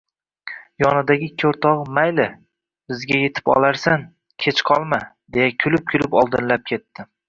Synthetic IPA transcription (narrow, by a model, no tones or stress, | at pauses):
jɒnɪd̪aɡʲɪkʲʰːoɾt̪ʰɒʁmajlɪ | bɪzɡʲaje̞t̪ʰɪ̥pɒ̰lˠaɾsan | kʲʰe̞t͡ʃqʰɒlˠma | d̪e̞jakʲʰʊlɪp̚kʰʲʊlɪpɒlˠd̪ɪnlap̚kʲʰe̞t̪ːɪ